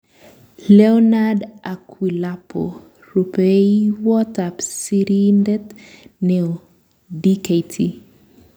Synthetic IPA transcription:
lɛɔnadakʰwilapʰo̰ | rupeiwɔtapsiɾindɛt̪nɛo | dikejtʰi

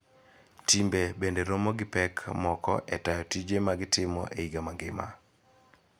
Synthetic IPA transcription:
timbebendeɾɔmɔɡɪpɛkʰmɔkɔ̰ʔɛtajɔtid͡ʒemaɡɪtɪmɔ̰ʔeiɡamaŋɡɪma̰

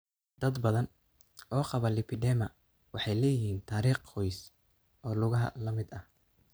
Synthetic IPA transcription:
d̪ɐd̪bɐðɐn | ɔːqɑβɐlɪpʰɪɖɛmɐ | wɑħɑjlɛːjɪhiːnt̪ʰaːɾiːqhɔjs | ʔɔːlʊɣɐɦɐ̰lɐmɪd̪ɐh

